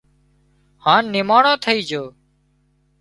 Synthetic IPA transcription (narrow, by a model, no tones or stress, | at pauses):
haːnːɪmaːɳõːt̪ʰəiːd͡ʒoː